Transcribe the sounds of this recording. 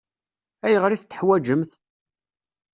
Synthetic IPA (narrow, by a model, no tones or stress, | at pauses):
æjəʁɾiθt̪ːə̥ħwæd͡ʒəmθ